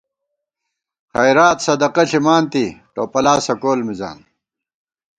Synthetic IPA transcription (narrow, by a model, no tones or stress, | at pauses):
χɐjɾaːt̪sɐd̪ɐqɐɬimaːnt̪iʈoːpɐlaːsɐkoːlmiza̰ːm